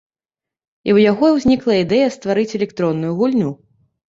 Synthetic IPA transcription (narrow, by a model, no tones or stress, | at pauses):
ḭwjaɣɔiwzʲnʲiklˠɐid̪ɛjɐst̪vaɾɨt͡sʲɛlʲɛkt̪ɾɔnːujuɣulʲnʲu